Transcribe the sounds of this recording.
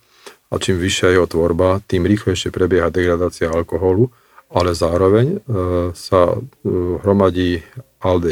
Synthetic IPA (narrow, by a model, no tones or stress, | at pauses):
a̰t͡ʃiːmʋiʃɪajɛɦɔt̪ʋɔɾbat̪iːmɾiːxlɛjʃɪɛpɾɛbɪjɛɦad̪ɛɡɾad̪aːt͡siaalkɔɦɔlu | alɛzaːɾɔʋɛɲ | sa | ɦɾɔmaɟiːʔald̪ɛ